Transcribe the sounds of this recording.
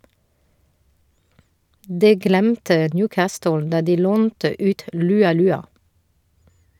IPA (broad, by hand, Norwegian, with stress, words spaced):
ˈdɛ ˈɡlæmtə ˈnjʉːˌkæːstʊl ˈdɑ ˈdiː ˈloːntə ˈʔʉːt ˌlʉːɑˈlʉːɑ